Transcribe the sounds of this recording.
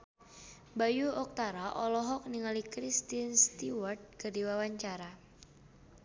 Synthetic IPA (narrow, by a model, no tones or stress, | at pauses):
bajuɔk̚t̪aɾaʔɔlɔɦɔk̚niŋalikɾist̪inst̪iwərt̪̚kərdiwawaɲt͡ʃaɾa